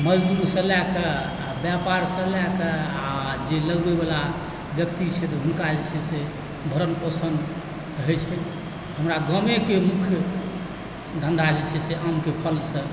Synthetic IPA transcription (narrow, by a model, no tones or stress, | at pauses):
məd͡ʒd̪uɾsə̃lakə | abjapaɾsə̃lɛkəad͡ʒeləɡbebala | bjəkt̪it͡ʃʰɛt̪ɔɦunkad͡ʒɛt͡ʃʰɛse | bʱəɾənpəsənd̪ | ɦət͡ʃʰke | ɦəmɾaɡəmekemukʰj | d̪ʱənd̪ʱad͡ʒɛt͡ʃʰɛseʔamkepʰəlsə̃